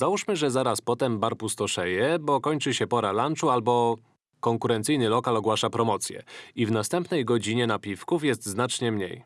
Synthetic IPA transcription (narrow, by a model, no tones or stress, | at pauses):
zauʂmɘʐɛzaɾaspɔt̪ɛmbaɾpust̪ɔʂɛjɛbɔkɔɲt͡ʂɘɕɛpɔɾalant͡ʂualbɔ | kɔŋkuɾɛnt̪sɘjnɘlɔkalɔɡwaʂapɾɔmɔt̪sʲjɛ̰ivnast̪ɛmpnɛjɡɔd͡ʑiɲɛnapʲifkufjɛst̪znat͡ʂɲɛmɲḛj